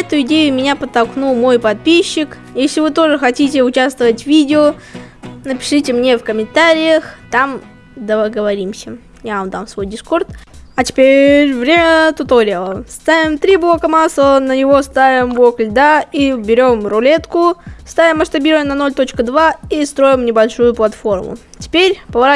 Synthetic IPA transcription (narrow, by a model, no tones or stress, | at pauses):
ɛt̪ʊɪdʲejʊmʲɪnʲapət̪ːɐlˠknulˠmo̞jpɐt̪̚pʲiɕːɪk | jesʲlʲɪvɨt̪o̞ʐɨxɐtʲitʲɪʊt͡ɕast̪vəvətʲvʲidʲɪo | nəpʲɪ̥ʂɨtʲɪmnʲefkəmʲɪnt̪aɾʲɪjəxt̪am | d̪əəɡəvɐɾʲimsʲə | javɐmd̪a̰msvo̞jdʲɪsko̞rt̪ɐtʲɪ̥pʲeɾʲvɾʲemʲət̪ot̪oɾʲlˠəst̪avʲɪmt̪ɾʲiblˠo̞kəmaslˠənənʲɪvo̞st̪avʲɪmblˠoklʲd̪aibʲɪɾʲo̞mrʊlʲet̪kʊst̪avʲɪmːɐʂt̪ɐbʲiɾəjəmnɐno̞lʲt̪ot͡ɕkəd̪vaist̪ɾo̞jɪmnʲɪbɐlʲʂujʊplˠɐt̪fo̞rmʊ̰ | tʲɪ̥pʲeɾʲpəvɐɾa